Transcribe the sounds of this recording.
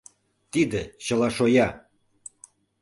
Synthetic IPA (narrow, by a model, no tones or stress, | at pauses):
t̪id̪əɕə̆lɑʃojɑ